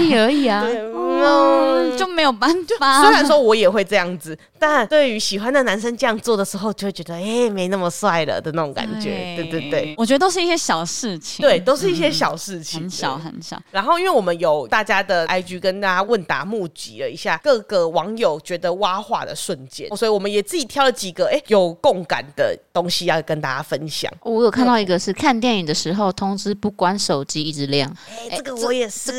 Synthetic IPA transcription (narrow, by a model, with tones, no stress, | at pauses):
i˥˩ə˧˥i˨˩a˨we˥˩˥ | t͡ɕjo˥˩ʊme˧˥ɪjo˨˩pa˥na˨swe˥ɪɻa˧˦nʂwɔ˥wɔ˧˦˥jɛ˨˩xwe˥˧ɪʈ͡ʂɤ˥˧jɑ˥˩ŋd͡zɹ̩˨˩ | t̪a˥˩nt̪we˥˩ɪy˧˦ɕi˨˩xwa˦nd̪ə˨na˧˦nʂə˥nʈ͡ʂɤ˥˧jɑ˥˧ŋt͡swɔ˥˩d̪ə˩ʂɻ̩˧˥xo˥˧ʊt͡ɕo˥˧we˥˩t͡ɕɥɛ˧˦d̪ə˧e˥˩me˧˥ɪna˥˩mə˩swa˥˩ɪlə̰˨˩d̪ə˩na˥˩o˨˦ŋka̰˨˩nt͡ɕɥɛ̰˧˦t̪we˥˩ɪt̪we˥˩t̪we˥˩ɪwɔ˨˩t͡ɕɥɛ˧˥d̪ə˧o˥ʊʂɻ̩˥˧i˥˩ɕjɛ˥ɕjɑ˨˩ʊʂɻ̩˥˩t͡ɕʰi˨t̪we˥˩ɪt̪o˥ʊʂɻ̩˥˧i˥˩ɕ̬jɛ˥ɕjɑ˨˩ʊʂɻ̩˥˩t͡ɕʰii˨˩˧nɕɑ̰˨˦ʊxə˧˩˦nɕɑ̰˨˦ɻa˧˥nxo˥˩ʊi˦nwe˥˩ɪwɔ˨˩mə˦njo˨˩ʊt̪a˥˩t͡ɕja˥d̪ə˨˩ʔa˥ɪt͡ɕy˧˥kə˦nt̪a˥˩t͡ɕja˥wə˥˩nt̪a̰˨˩mu˥˨˩t͡ɕḭ˧˥lə̰˨i˧˥ɕja˥˩kɤ˥˩ɡə˨wɑ˧˦˥ŋjo˨˩ʊt͡ɕɥɛ˧˥d̪ə˨wa˥xwa̰˥˩d̪ə̰˨ʂwə˥˧nt͡ɕjɛ̰˥˨˦swɔ˧˥i˨wɔ˨˩mə˦njɛ˨˩t͡s̩˥˩i˨˩t̪ʰjɑ˥˩ʊlə˨t͡ɕi˨˩ɡə˨ʔe˥˩ɪjo˨˩ʊko˥˩ŋka̰˨˩nd̪ə̰˩t̪o˥ŋɕi˥jɑ˥˩ʊ˨˩kə˦nt̪a˥˧t͡ɕja˥fə˦nɕjɑ̰˨˩ŋ˧˩wɔ˧˦jo˨˩ʊkʰa˥˧nt̪ɑ˥˩ʊi˧˥ɡə˨˧ʂɻ̩˥˧kʰa˥˧nt̪̬jɛ˥˩ni˨˩d̪ə˦ʂɻ̩˧˥xo˥˧ʊt̪ʰʊ˥ŋʈ͡ʂɻ̩˥pu˥˩kwa˦nʂo˨˩ʊt͡ɕi˥i˥˩ʈ͡ʂɻ̩˧˥ljɑ˥˨˩ŋe˥˩ɪə˥˩ɡə˨wɔ˧˥jɛ˨˩˥